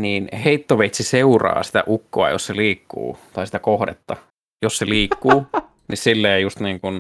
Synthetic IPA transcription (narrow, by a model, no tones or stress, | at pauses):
niːnheit̪ːoʋeit̪siseurɑ̰ːsi̥t̪æ̰ʔukːoɑ̰jo̰sseliːkːṵːt̪ɑisi̥t̪ækohdet̪ːɑ | josseliːkːuː | nissilːeːjjust̪niːŋkun